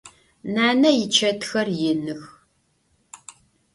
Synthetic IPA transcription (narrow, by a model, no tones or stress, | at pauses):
naːnɐjɪt͡ʃʰɐtxɐrjɪnɨx